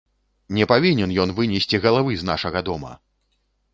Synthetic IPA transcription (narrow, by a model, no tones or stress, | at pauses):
nʲɛpavʲinʲɛnjɔn̪vɨnʲɛsʲt͡sʲiɣɐlˠavɨzna̰ʂɐɣɐd̪ɔmɐ̰